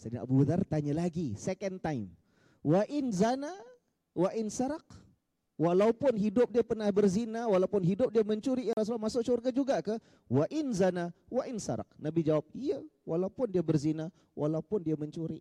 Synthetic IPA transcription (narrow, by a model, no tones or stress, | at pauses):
sadinʔa̰bubəðart̪aɲalaɡisɛkɛnt̪ajm | waʔɪnzana | waʔɪnsaɾaq | walaupʊnɦidʊp̚diapərnahbərzinawalaupʊnɦidʊp̚diaməɲt͡ʃuɾiaɾas̬ulamasʊk̚surɡad͡ʒuɡakə | waʔɪnzanawaʔɪnsa̰ɾa̰q̚nabid͡ʒawap̚ijawalaupʊndiabərzina | wʔalaupʊndiaməɲt͡ʃuɾi